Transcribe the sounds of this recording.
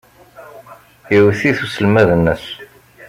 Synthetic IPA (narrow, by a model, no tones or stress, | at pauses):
jəwθiθusəlmæðənːəs